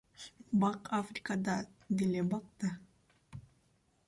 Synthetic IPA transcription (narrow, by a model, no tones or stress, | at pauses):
bɑqafrikad̪ɑd̪elebɑq̚d̪ɑ